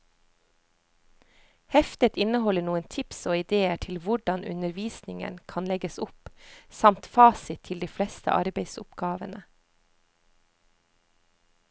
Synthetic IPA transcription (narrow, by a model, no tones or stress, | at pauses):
hɛft̪ət̪ɪnəhɔləɳuːənt̪ʰɪpsoːɪd̪eːəʈʰɪlʋʊɖɑnʉ̰nəɾʋiːsnɪŋə̰nkʰɑnlɛɡəsʊpsɑmt̪fɑːsɪt̪ʰɪld̪iːflɛst̪ə̰ʔɑ̰ɾbeɪsʊpɡ̥ɑːʋənə